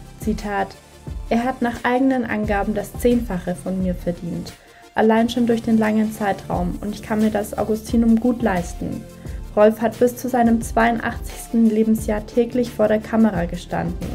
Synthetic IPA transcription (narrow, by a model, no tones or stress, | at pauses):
t͡sitʰaːt | ʔeːɐɦatnaːχʔaɪɡənənʔa̰nɡaːbm̩dast͡seːnfaχəfɔnmiːɐfɛɐdiːnt | ʔa̰laɪnʃoːndʊɐçd̥eːnlaŋənt͡saɪtʁ̥a̰ʊmʊntɪçkʰanmiːɐdasʔa̰ʊɡʊstʰiːnʊmɡuːtlaɪstn̩ | ʁɔlfhatb̥ɪst͡suzaɪnəmt͡sv̥aɪʊntʔa̰χt͡sɪ̥çstn̩leːbm̩sjaːɐtʰɛːklɪçfoːɐɾeːɐkʰaməʁaːɡəʃta̰ndn̩